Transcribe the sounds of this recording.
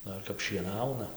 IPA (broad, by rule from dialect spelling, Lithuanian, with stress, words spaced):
ˈdɐr kɐp ʃʲiɛˈnɐʊnɐ